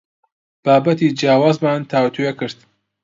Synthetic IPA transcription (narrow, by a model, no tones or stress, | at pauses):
b̥aːbɐt̪iːd͡ʒjaːwaːzmaːnt̪ʰaːwt̪ʰujekɨɾd̪